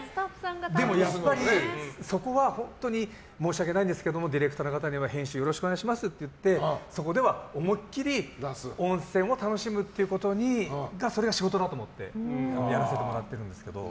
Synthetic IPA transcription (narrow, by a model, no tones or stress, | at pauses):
ɡd̪e̞mo̞jaːaɾʲiso̞ko̞βahõ̞nt̪o̞ɲ̟i | mo̞ːɕiak̬e̞naĩnd̪esɨ̥keed̪o̞mo̞d̪ʲiɾekɯ̟t̪aːnokat̪̬aɲ̟iβahẽ̞ɰ̃ɕɨːjo̞ɾo̞ɕi̥kɯoneaiɕ̬imasɨt̪ːe̞jɯ̟t̪ːe̞so̞ko̞d̪e̞βaomo̞kʲːiɾʲiõ̞ɰ̃sẽ̞ɰ̃o̞t̪ano̞ɕimɯ̟t̪ːe̞iɯ̟ko̞t̪o̞ɲ̟iɡaso̞ɾeɡaɕiɡo̞t̪o̞d̪at̪oːmo̞t̪ːe̞̰anjaɾase̞t̪e̞mo̞ɾat̪ːe̞ɾɯ̟nd̪e̞sɨ̥ke̞d̪o̞̰